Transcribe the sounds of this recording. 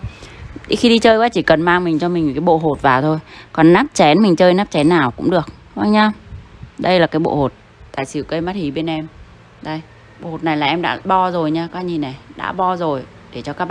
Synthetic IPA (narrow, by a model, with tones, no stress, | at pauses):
i˧˦xi˧ɗi˧t͡ɕəː˧jkwaː˨˦t͡ɕi˧˩kə˨˩nmaː˧ŋmï˨˩ŋ̟t͡ɕɔ˧mi̟˨˩kaː˨˦jɓo̰˧˨ɦo˨˩t̚vaː˨˩wt̪ʰo˧jkɔ˨˩nnaː˦˥p̚t͡ɕɛ˨˦nmï˨˩ŋ̟t͡ɕəː˧jnaː˦˥p̚t͡ɕɛ˨˦nːaː˨˩wkʊ̰˧˥ŋ͡mɗɨ˨˩ək̚wa˧ŋɲaː˧ɗə˧jlaː˨˩kaː˨˦jɓo̰˧˨ho˨˩t̚ | t̪a̰ː˧˨jsɨ˧˩˦wkə˧jma˦˥t̚hi˨˩ɓe˧nʔɛ˧m | ɗə˧j | ɓo̰˧˨ho˨˩t̚na˨˩jlaː˨˩ʔɛ˧mɗa̰ː˧˥ɓɔ˧zo˨˩jɲaː˧kaː˧˦˧ɲi˨˩na˨˩jɗa̰ː˧˥ɓɔ˧zo˨˩j | ɗe˧˩t͡ɕɔ˧kaː˦˥˧